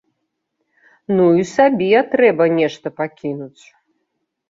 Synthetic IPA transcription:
nuisabʲiɛt̪ɾɛbɐnʲɛʂt̪ɐpakʲinut͡sʲ

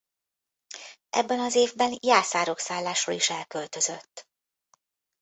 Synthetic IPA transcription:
ʔɛ̰bːɛnɒzeːvbɛnjaːsaːɾo̞ksaːlːaːʃro̰liʃɛlkø̞lt̪ø̞zøt̪ː

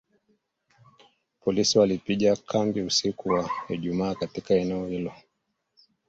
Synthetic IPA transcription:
pɔlisiwalipiʄakʰambiusikuwaɛʄumaːkatikaɛnɛɔhilɔ

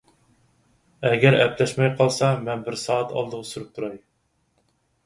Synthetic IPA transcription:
æɡʲɛɾɛplɛʃmɛjqʰɑlˠsɑmɛnbɪɾsɑːɑt̪ʰɑ̰lˠd̪əʁəsyɾɨp̚t̪ʰuɾɑj

